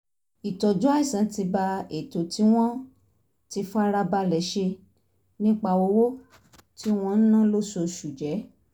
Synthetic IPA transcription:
i˨tɔ˨d͡ʒũ˦a˦i˦˨sã˨˦ti˧ba˧e˨to˨ti˨˦w̃ɔ̃˦ | ti˧fa˦ɾa˧ba˧lɛ˨ʃe˧ | nĩ˦k͡pa˧wo˧˦wo˦ | ti˦w̃ɔ̃˧n̩˦nã˦lo˦ʃo˧ʃu˨d͡ʒɛ˨˦

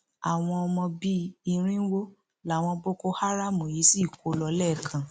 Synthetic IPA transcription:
a˨w̃ɔ̃˧ɔ˧mɔ̃˧bi˦i˧ɾ̃ĩ˦wo˦ | la˨˦˨w̃ɔ̃˧bo˦ko˦ha˦ɾa˦˨mũ˨ji˨˦si˦˨ko˨˦lɔ˧˦lɛ˦˨kʰã˨

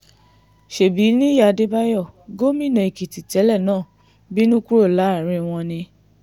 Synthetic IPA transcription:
ʃe˨bi˨˦nĩ˦ja˦˨˧de˦ba˦jɔ˦˨ɡo˦mĩ˦˨nã˨i˨ki˨ti˨tɛ˨˦lɛ˦˨nãː˦˨ | bi˦nũ˦ku˦ɾo˦˨la˨˦˨ɾe˧w̃ɔ̃˧nĩ˧

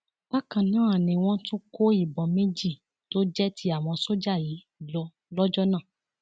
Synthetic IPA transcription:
ba˦kã˨nãː˨˦a˨nĩ˧w̃ɔ̃˦tũ˦ko˦i˦˨bɔ˨mẽ˦d͡ʒi˦˨ | to˦d͡ʒɛ˦tʰi˦a˦˨w̃ɔ̃˧so˦d͡ʒa˦˨ji˨˦ | lɔ˧ | lɔ˦d͡ʒɔ˦nã˦˨

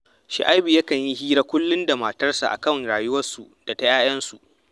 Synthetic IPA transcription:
ʃɪ̰˨ʔa˦jbi˨jɐ˦kɐ˨ɲji˦hiː˦ɾa˦kʷʊ˦lːʊ˦nda˨maː˨tɐ˦rsa̰˨ʔa̰˨kɐ˦ŋɽaː˨jʊ˦wɐ˦rsu˨d̥a˨ta˦jaː˦j̰ɐ˦nsu˨ʔ

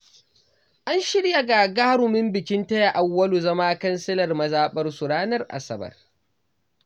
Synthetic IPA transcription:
ʔa˦nʃɪ˦ɽja˨ɡaː˨ɡaː˦ɾʊ˨mɪ˦mbɪ˨kʲɪ˦ntɐ˦ja˨ʔa˨wːɐ˦lu˨zɐ˦maː˦kɐ˦nsɪ˦lɐ˨rmɐ˦zaː˦ɓɐ˦rsʊ˨ɽaː˦nɐ˦rʔa̰˨sɐ˦bɐ̰˨r

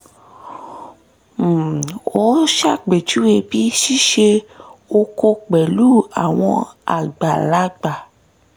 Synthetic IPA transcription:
o˦ʃa˦˨k͡pe˨t͡ʃu˦e˧bi˦ʃi˦ʃe˧o˧ko˧k͡pɛ˨lu˦a˨w̃ɔ̃˧a̰˨ɡ͡ba˨la˨˦ɡ͡ba˨

